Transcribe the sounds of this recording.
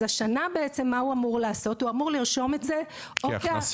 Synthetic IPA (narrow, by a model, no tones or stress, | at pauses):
aʃanabe̞et͡se̞mːauamuʁlaːso̞tuamuʁliʁʃo̞metze̞ | oke